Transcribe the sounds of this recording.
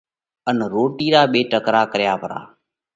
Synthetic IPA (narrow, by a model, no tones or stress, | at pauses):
ənɾoːʈiːɾaːɓeːʈəkɾaːkəɾjaːpəɾa̰ː